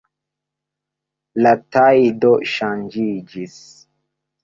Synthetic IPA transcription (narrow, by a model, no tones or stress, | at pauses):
latajdoʃand͡ʒid͡ʒis